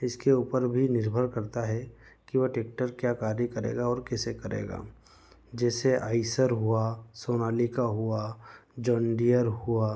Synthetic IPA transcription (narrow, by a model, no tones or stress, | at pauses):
ɪskeuːpəɾbʱinɪɾbʱəɾkɐɾt̪aɦɛ | kiʋəʈeːkʈəɾkjaːkaːɾjəkɐɾḛːɡaɔːɾkɛːsekɐɾḛːɡa̰ː | d͡ʒɛːseʔaːɪsəɾɦuasoːnaːlikaɦuad͡ʒɔ̃ːɳɖijəɾɦua